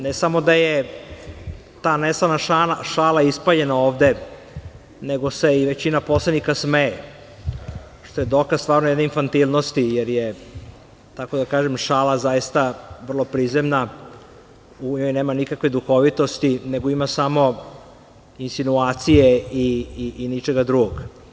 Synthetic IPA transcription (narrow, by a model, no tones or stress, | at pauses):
nesamo̞d̪aje | t̪aːnesanaaaʃaːlaispaʎe̞naoːʋd̪e | neɡo̞se̞iʋet͡ɕinapo̞slenikasmeː | ʃt̪o̞jed̪okasst̪vaːɾnojed̪neinfant̪ilˠnost̪ijeɾje | t̪ako̞d̪akaːʒemʃaːlazaist̪aʋr̩lˠo̞pɾizemna | uɲojneːmanikakʋed̪uxo̞ʋit̪o̞st̪ineɡo̞imasamo̞ | insinuaːt̪sijeiːnit͡ʃeɡad̪ɾuɡoɡ